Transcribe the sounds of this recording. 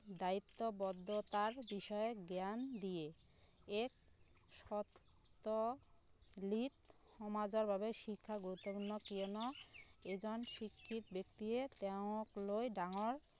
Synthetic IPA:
d̪ait̪ːobɔd̪ʱːot̪aɾbiʃɔeɡeand̪ije | ek̚ | ʃɔt̪ː | o | lit̪ | hɔmad͡ʑoɾbʱabeʃikʰːaɡuɾut̪ːopunːokionɔed͡ʑɔnʃikʰːit̪bek̚t̪iet̪ɛoklojɖaŋoɾ

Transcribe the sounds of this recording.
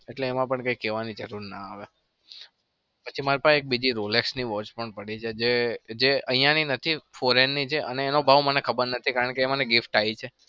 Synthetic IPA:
eʈleːmãpəɳkəikeʋanid͡ʒəɾuɾna̰aʋe | pət͡ʃʰimaɾipaʃeek̚bid͡ʒiɾoleksniʋɔt͡ʃpəɳpəɽit͡ʃʰed͡ʒed͡ʒeʔə̃jãninət̪ʰifoɾenːit͡ʃʰeʔəneːnobʱaʋmənekʰəbəɾnət̪ʰikaɾəɳkeːmaneɡɪfʈait͡ʃʰe

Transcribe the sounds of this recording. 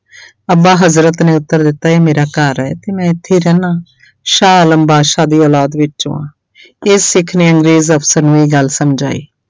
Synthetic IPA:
əbãːɦəzɾət̪nẽːʊt̪ːəɾd̪ɪt̪ːaːeːmeːɾaːkaːɾɛːt̪eːmɛ̃ːɪt̪ʰːeːɾɛːnãː | ʃaːələmbaːʃaːd̪iːɔːlaːd̪ʋɪt͡ʃt͡ʃõ̰ːã̰ː | ɪsːɪkʰneːəŋɡɾeːzəpʰsəɾnũːiːɡəlsəmd͡ʒa̰ːḭː

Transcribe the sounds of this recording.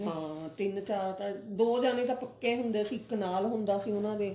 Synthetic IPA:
ɦãːt̪ɪnt͡ʃaːɾt̪ãːd̪oːd͡ʒaːnẽːt̪ãːpəkːeːɦʊnd̪eːəsĩːɪknaːlɦʊnd̪aːəsĩːʊnãːd̪eː

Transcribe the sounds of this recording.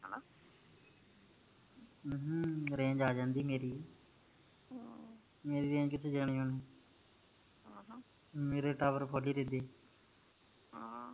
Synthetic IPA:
ɦɾẽːɲd͡ʒaːd͡ʒãːnd̪iːmeːɾiː | meːɾiːɾẽːd͡ʒkɪt̪ʰːeːd͡ʒəɡɳiːoneː | meːɾeːʈaːbəɾpʰoːliːɾeːd̪eː

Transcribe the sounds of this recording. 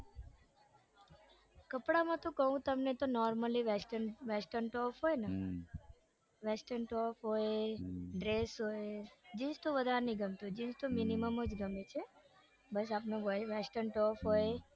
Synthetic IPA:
kəpɽamãt̪õkəɦũt̪əmnet̪onɔɾməliʋesʈəʋesʈəɾnʈɔfɦojnə | ʋesʈənʈɔfɦoeɖɾesɦoed͡ʒĩt͡ʃt̪õʋəd̪ʱaɾnĩɡəmt̪ũd͡ʒĩd͡ʒt̪ominiməməd͡ʒɡəmet͡ʃʰe | bəs̬apnoʋesʈəɾnʈɔfɦoje

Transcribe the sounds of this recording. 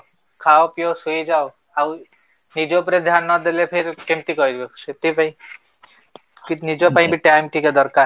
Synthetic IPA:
kʰawpijosujd͡ʒaw | aw | nid͡ʒopɾed̪ʱjanɔd̪elepʰeɾkemt̪ikɔjd̪oset̪ipaĩ | kinid͡ʒɔpaĩbiʈajmʈikad̪ɔɾka

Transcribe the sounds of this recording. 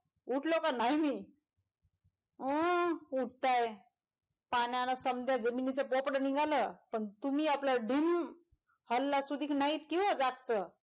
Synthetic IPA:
uʈlokanajmiː | ɦəuʈ̚t̪aj | paɳjanasəmd̪ʱjad͡zəminit͡səpɔpɽəniɡʱaləːpəɳt̪umiːaplaɖim | həlːasud̪ʱiːknait̪kĩw̃ʋad͡zak̚t͡sə

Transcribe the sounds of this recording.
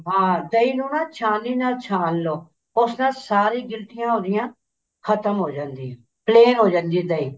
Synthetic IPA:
ɦãːd̪əiːnũːnaːt͡ʃʰãːniːnãːt͡ʃʰaːnloː | ʊsnãːsaːɾiːɡɪlt̪ɪjãːɦoːd̪ɪjãː | kʰət̪əmɦoːd͡ʒãːnd̪iːãː | pleːnɦoːd͡ʒãːnd̪iːd̪əiː

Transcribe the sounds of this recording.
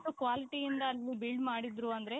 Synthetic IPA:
ʈːukʋaːliʈiind̪ɐːlːibilɖmaːɽid̪ɾuɐnd̪ɐɾe̞

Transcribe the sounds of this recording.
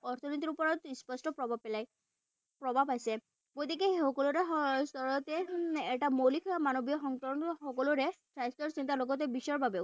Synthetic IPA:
ɔɾt̪ʰɔnit̪iɾupɔɾɔt̪ispɔsʈɔpɹɔbʱabpelaj | pɹɔbʱabajse | ɡot̪ikeɦehɔkɔluɾest̪ɔɹɔt̪eeʈamolikʰamanobijɔxɔŋkɔɔnxɔkɔluɾeʈɾajst̪ɔɾsint̪alɔɡɔt̪̬ebiʃɔɹbʱabe

